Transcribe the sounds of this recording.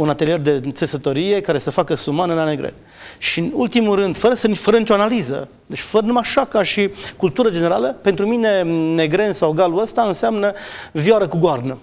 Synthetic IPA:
unat̪elije̞rd̪e̞t̪se̞sət̪oɾije̞kaɾe̞səfakəsumanəlane̞ɡɾḛn | ʃinult̪imulɾɨnd̪fəɾəsənifəɾənit͡ʃo̞analizə̰ | d̪et͡ʃʲfəɾənumaʃakaʃikult̪uɾəd͡ʒene̞ɾaləpent̪ɾumine̞ne̞ɡɾe̞nsawɡaluəst̪aɨnseamnəvjaɾəkuɡoarnə

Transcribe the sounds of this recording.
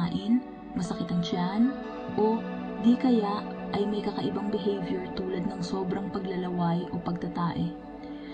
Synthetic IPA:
ʔɪn | mɐsɐkɪt̪ɐŋt͡ʃan | ʔo | d̪ikɐjaʔʔɐjmɐjkɐkɐʔɪbaŋbɪɦɛjvjɛɹt̪uːlɐd̪nɐŋso̞ːbɾɐŋpɐɡlɐlɐwajʔo̞pɐɡ̚t̪ɐt̪aːʔɛ

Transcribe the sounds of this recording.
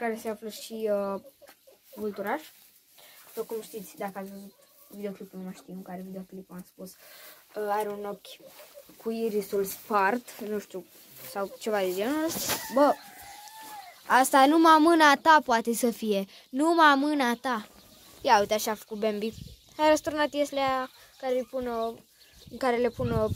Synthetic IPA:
kaɾeseafləʃiə | vult̪uɾaʃ | pokumʃt̪it̪sʲd̪akəasʲvəzut̪̚ | vid̪eoklipnumaʃt̪iɨŋkaɾevid̪eoklipuaspusəaɾeuno̞kʲkʰuiɾisulspart̪nũʃt̪u | sawt͡ʃe̞vad̪ed͡ʒenulbə | ast̪anumamɨnat̪apoat̪e̞səfije̞ | numamɨnat̪a | jaut̪aʃiafə̥kut̪̚bembi | ajɾəst̪uɾnat̪jeslea | kaɾejpuno | ɨŋkaɾelepuno

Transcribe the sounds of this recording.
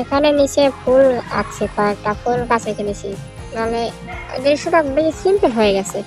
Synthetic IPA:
ekʰanenit͡ɕepʰula̰t͡ɕʰepaɾʈapolkasekʰenit͡ɕʰi | mane | d̪iʃoʈabeisimpeɦojeɡɛt͡ɕʰe

